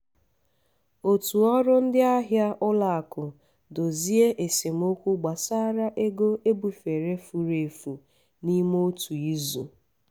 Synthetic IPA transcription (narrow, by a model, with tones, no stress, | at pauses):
o˨tu˨ɔ˦ɾʊ˦n̩˦dɪ˦a˦ɦja˦ʊ˦la˨a˨kʊ˨ | do˨zi˦e˦ʔe˨sɪ˨m˦o˦kʷu˦ɡ͡ba˨sa˦ɾa˦ʔe˦ɡo˦e˦bu˨fe˨ɾe˦fu˨ɾe˨fu˨ | ni˦mo˦tʰu˨i˦zṵ˨